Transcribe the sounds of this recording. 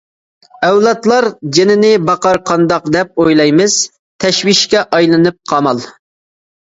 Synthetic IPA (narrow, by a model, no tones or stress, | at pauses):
ɛwlˠɑt̪lˠɑɾd͡ʒenɪnɪbɑqɑɾqʰɑnd̪ɑqd̪ɛp̚ojlˠɑjmɨz̥ | t̪ʰɛʃwiʃkʲɛʔɑjlˠɨnɨp̚qʰɑmɑlˠ